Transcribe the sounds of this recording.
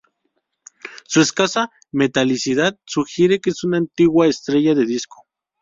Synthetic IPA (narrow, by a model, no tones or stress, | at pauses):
sueskasa | met̪alisiðað̚suxjeɾekeesunant̪iɣwaest̪ɾeʝaðeðisko